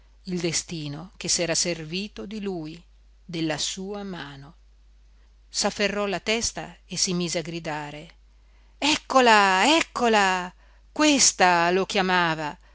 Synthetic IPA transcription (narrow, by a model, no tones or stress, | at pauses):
ild̪est̪iːnok̟esɛːɾaserviːt̪od̪iluːj | d̪elːasuːamaːno | safːerːɔlat̪ɛst̪a̰esimiːzeaɡɾid̪aːɾe | ɛkːolaɛkːola | kwest̪alokjamaːva